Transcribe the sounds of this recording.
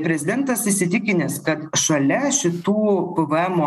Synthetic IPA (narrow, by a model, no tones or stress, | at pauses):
pʲɾʲɛzʲɪd̪ʲɛnt̪ɐsɪsʲɪt̪ʲɪkʲɪnʲeːskɐt̪ʃɐlʲɛʃʲɪt̪uːpəʋəɛmo